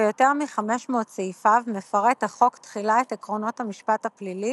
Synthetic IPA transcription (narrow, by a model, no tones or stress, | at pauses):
ejo̞te̞ʁmiχameʃmo̞ːtt͡seifavmefaʁethaχo̞ktχilaetekʁo̞no̞thamiʃpathaplili